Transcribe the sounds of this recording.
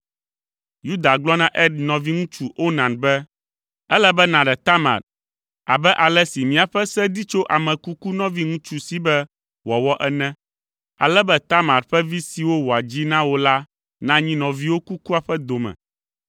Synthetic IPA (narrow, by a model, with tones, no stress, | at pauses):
ju˦d̪a˨ɡ͡blɔ˦nã˦ʔɛ˦nɔ̃˨vi˦ŋũ˦t͡ʃu˦ʔo˦nã˨nbɛ˦ | ɛ˦lɛ˦bɛ˦nã˨ɖɛ˨t̪a˦mã̰˨ɾ | a̰˨bɛ˦ʔa˨lɛ˦si˨mĩ˨a˨ɸɛ˦sɛ˦d̪i˦t͡ʃo˦ʔa˨mɛ̃˨ku˦ku˦nɔ̃˦vi˦ŋũ˦t͡ʃu˦si˨bɛ˦ | wɔ˨wɔ˦ʔɛ˦nɛ̃˦ | a̰˨lɛ˦bɛ˦t̪a˦mã˨ɾɸɛ˦vi˦si˨wo˦wɔ˨a˨d͡ʑi˦nã˦wo˦la˦ | nã˦ɲĩ˦nɔ̃˨vi˦wo˦ku˦ku˦a˨ɸɛ˦d̪o˨mɛ̰̃˨